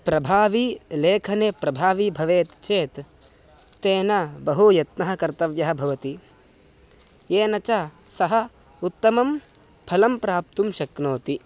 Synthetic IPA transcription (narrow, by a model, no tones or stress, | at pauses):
pɾɐbʱaːʋileːkʰɐneːpɾɐbʱaːʋibʱɐʋeːt̪t͡ʃeːt̪ː | eːnɐbɐɦujɐt̪nɐɦɐkɐɾt̪ɐʋjɐɦɐ̆bʱɐʋɐt̪i | jeːnɐt͡ʃɐ | sɐɦɐ̆ | ut̪ːɐmɐm | pʰɐlɐmpɾaːp̚t̪umʃɐknoːt̪i